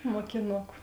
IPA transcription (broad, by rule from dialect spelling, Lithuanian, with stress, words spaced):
moːkʲɪˈnʊkʊ